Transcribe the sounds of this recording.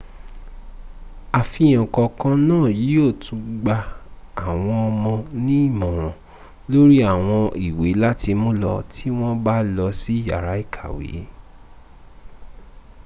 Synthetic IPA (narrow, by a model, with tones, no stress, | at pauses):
a˨fi˧˦j̃ɔ̃˨kɔ˧kã˦nãː˦˨ji˨˦o˦˨tũ˨˦ɡ͡ba˧ | a˨w̃ɔ̃˧ɔ˧mɔ̃˧nĩ˦i˦˨mɔ̃˨w̃ɔ̃˨ | lo˦ɾi˦a˦˨w̃ɔ̃˧i˨we˨˦la˦tʰi˧mũ˦lɔ˧tʰi˦w̃ɔ̃˦ba˦lɔ˧si˦˨ja̰˨ɾa˨˦i˦˨kʰa˨wḛ˨˦